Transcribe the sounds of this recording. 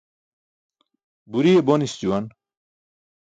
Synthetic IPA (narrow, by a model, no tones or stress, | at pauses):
buɾijebonist͡ɕuwan